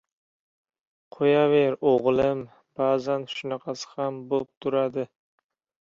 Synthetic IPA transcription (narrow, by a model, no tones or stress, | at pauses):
qʰojaveɾoʁlˠɪm | b̥aːzanʃʊnɑqʰɑsɪ̥hambop̚t̪ʰʊɾad̪ɪ